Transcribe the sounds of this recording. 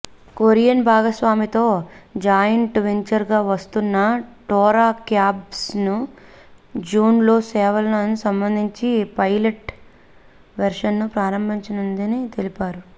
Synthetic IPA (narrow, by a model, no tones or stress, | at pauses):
koɾijɐnbʱaːɡɐsʋaːmit̪oːd͡ʒaːjɐɳʈʋeɲt͡ʃɐɾɡaːʋɐst̪unːɐʈɔːɾaːkjaːbsnu | d͡ʒuːnlo̞ːsɛːʋɐlɐnɐnusɐmbɐnd̪ʱiɲt͡ʃipɐjleʈ | ʋɐɾʂɐnːupɾaːɾɐmbʱiɲt͡ʃɐnɐnd̪init̪elipaːɾu